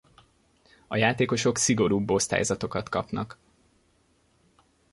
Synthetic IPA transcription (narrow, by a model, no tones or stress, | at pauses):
ɒjaːt̪eːko̞ʃo̞ksiɡo̞ɾuːbːo̞st̪a̰ːjzɒt̪o̞kɒt̪kɒpnɒk